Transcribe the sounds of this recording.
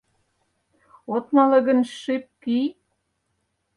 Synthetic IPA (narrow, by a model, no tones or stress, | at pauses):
ot̪mɑlɤ̆ɣə̆nʃep̚kij